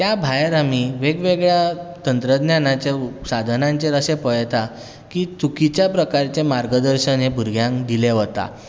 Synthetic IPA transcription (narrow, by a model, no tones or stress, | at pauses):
t̪jabʱajɾamiːʋeɡʋeɡɭjat̪ənt̪ɾəd̪njanat͡ɕasad̪ʱənãɲt͡ɕeɾəsepəjt̪a | kiːt͡sukit͡ɕjapɾəkaɾt͡ɕemaɾɡəd̪əɾɕənebʱuɾɡʱjãŋkd̪ileʋət̪a̰